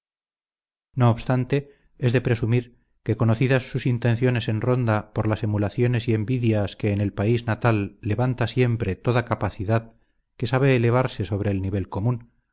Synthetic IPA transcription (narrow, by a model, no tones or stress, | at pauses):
no̞ːβst̪ant̪e̞ | ezðe̞pɾe̞sumiɾ | ke̞ko̞no̞θiðasːusint̪e̞nθjo̞ne̞se̞nro̞nd̪apo̞ɾlase̞mulaθjo̞ne̞sie̞mbiðjaske̞ːne̞lpaiznat̪alːe̞βant̪asje̞mpɾe̞t̪o̞ðakapaθiðað | ke̞saβ̞e̞ːle̞β̞aɾse̞so̞β̞ɾe̞ːlniβ̞e̞lko̞mũn